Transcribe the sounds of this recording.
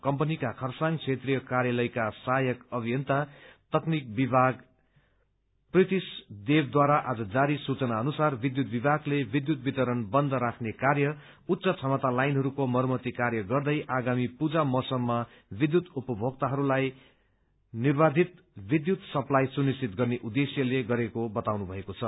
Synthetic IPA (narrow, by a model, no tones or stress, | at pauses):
kʌmpʌnikakʰʌrsaŋɡt͡sʰet̪rijʌkaɾjalʌjkasajʌkʌbʱijʌnt̪at̪ʌknik̚bibʱaɡ | prit̪isd̪ebd̪waɾaʔad͡zʌd͡zaɾisut͡sʌnaʌnusarbid̪jut̪̚bibʱaɡlebid̪jut̪̚bit̪ʌɾʌnbʌnd̪ʱʌɾakʰnekarjʌ | ut̪ːsʌt͡sʰʌmʌt̪alajnɦʌɾukomʌrmʌt̪ikarjʌɡʌrd̪ʌjʔaɡamipud͡zamʌsʌmːʌ | bid̪jut̪upʌbʱoɡ̚t̪aɦʌɾulaj | nirbad̪ʱit̪ | bid̪jut̪sʌplajsunist͡sit̪ɡʌrneʔud̪esjʌleɡʌɾekobʌt̪awnubʱʌekot͡sʰʌ